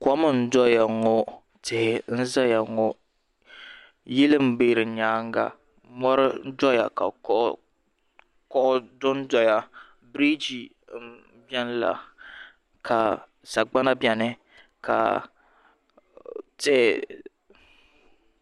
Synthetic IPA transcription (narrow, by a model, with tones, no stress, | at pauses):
kɔ˦mɨ˨n̩˦dɔ˦ja˨ŋɔ˦ | tɪ˨hɪ˨n̩˦za˦ja˨ŋɔ˦ | jɪ˦lɨ˦m̩˦beː˦ɾɨ˨ɲaː˦ŋ˦ɡa̰˨ | mɔ˦ɾɪ˦n̩˦dɔ˦ja̰˨ka̰˨˦ʔ | kɔ˦ʔʊ˦dʊ˦n˦dɔ˨ja˦ | bɾi˦d͡ʒi˨˦ | bɛ˦n˦la̰˨ | kʰa˨ | sa˨ɡ͡ba˦na˦bjɛ˨nɪ˦ | ka̰˨ | tɪ˦hɪ˨